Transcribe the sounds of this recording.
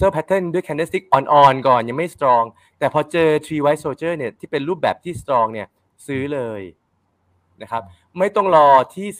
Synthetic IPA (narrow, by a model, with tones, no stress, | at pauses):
sɤː˥˩pʰɛ˦˥t̪ʰːe˥˩ndu˥əjkʰɛ˧nːe˦st̪i˦˥k̚ʔɔː˧nʔɔː˧nkɔː˨˩nja˧ŋma˥˩jst̪ɾɔː˧ŋ | t̪ɛː˨˩pʰɔː˧t͡ɕɤː˧t̪ʰɾiː˧wa˦˥soː˧t͡ɕɤː˥˩ni˥˩ɐt̪ʰiː˥˩pe˧nɾuː˥˩p̚bɛː˨˩p̚t̪ʰiː˥˩st̪ɾɔː˧ŋni˥˩ɐ | sɯː˦˥lɤː˧j | na˦˥kʰa˦˥p̚ | ma˥˩jt̪ɔ˥˩ŋɾɔː˧t̪ʰiː˥˩